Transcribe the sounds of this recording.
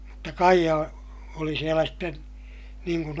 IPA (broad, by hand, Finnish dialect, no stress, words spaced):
mutːɑ kɑijɑ oli sielæ sten niːŋ kun